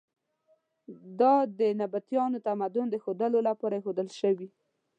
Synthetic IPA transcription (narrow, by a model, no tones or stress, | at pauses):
d̪ɑd̪ənabat̪jɑnot̪amad̪ʊnd̪əxod̪əlolapɑɾaxod̪əlʃəwi